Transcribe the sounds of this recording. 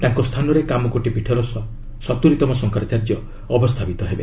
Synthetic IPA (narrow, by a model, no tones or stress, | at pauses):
t̪aŋkɔst̪ʰanɔɾekamɔkoʈipiʈʰɔɾɔsɔ | sɔt̪uɾit̪ɔmɔsɔŋkaɾat͡ʃaɾd͡ʒjɔ | ɔbɔst̪ʰapit̪ɔɦebḛ